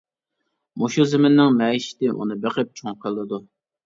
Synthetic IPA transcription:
moʃuzɪmɪnːɪŋmɛiʃɪ̥t̪ɪʔṵnɨbeqɪp̚t͡ʃʰoŋqʰəlˠːɨd̪u

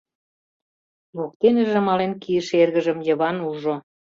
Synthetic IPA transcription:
lok̚t̪eneʒĕmɑlenkiəʃerɣəʒə̆mjə̆βɑnuʒo

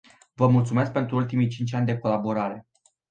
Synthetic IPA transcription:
vəmult̪sume̞sk̚pe̞nt̪ɾuult̪imijt͡ʃint͡ʃʲanʲd̪e̞ko̞labo̞ɾaɾe̞

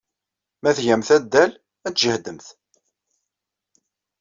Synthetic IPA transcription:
mæθʝæmθæd̪ːæl | æt͡sʒəhd̪əmθ

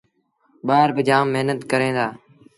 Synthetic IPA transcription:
ɓaːɾbɪd͡ʒaːmːɪɦnət̪kəɾẽːd̪aː

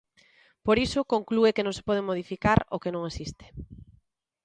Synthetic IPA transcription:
poɾisʊkoŋkluekenõŋse̥pɔð̞emoð̞ifikaɾo̰kenõŋesist̪e̥

